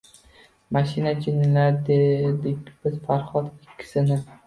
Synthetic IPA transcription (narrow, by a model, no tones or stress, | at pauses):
maʃɪnad͡ʒɪnːɪlaɾd̪ed̪ɪkʲb̥ɪz̥faɾχɒt̪ɪkʲʰːɪ̥sɪnɪ